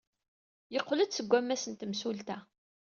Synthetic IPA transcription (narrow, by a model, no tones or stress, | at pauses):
jəqːləd̪səɡʷːæmːæsənt̪əmsult̪æ